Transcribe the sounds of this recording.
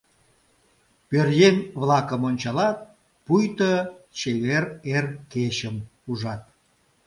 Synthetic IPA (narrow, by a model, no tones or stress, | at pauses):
pørjenβlɑkəmonʲt͡ɕɑlɑt̪̚ | pujt̪ət͡ɕeβererkeɕəmuʒɑt̪̚